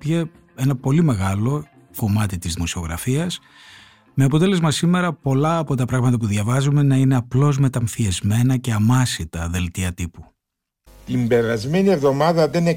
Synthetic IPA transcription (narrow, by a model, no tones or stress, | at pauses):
pʝe | e̞nɐpo̞lime̞ɣɐlo̞ | ko̞mɐt̪it̪izðimo̞sio̞ɣɾɐ̰fiɐs | me̞ɐpo̞t̪e̞lezmɐsime̞ɾɐpo̞lɐːpo̞t̪ɐpɾɐɣmɐt̪ɐp̬uðʝɐvɐzume̞nɐine̞ɐplo̞zme̞t̪ɐɱfiezme̞nɐce̞ɐmɐsit̪ɐðe̞lt̪iɐt̪ipu | t̪imbe̞ɾɐzme̞nie̞vðo̞mɐðɐðene